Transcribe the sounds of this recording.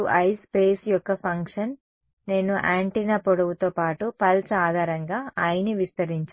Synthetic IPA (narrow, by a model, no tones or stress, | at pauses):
uʔɐjspe̞ːsjɔkːɐpʰɐŋkʂɐnː | e̞ːnuʔaːɳʈinɐpoɽɐʋut̪oːpaːʈupɐlsɐaːd̪ʱaːɾɐŋɡaːaːjiniʋist̪ɐɾiɲt͡ʃa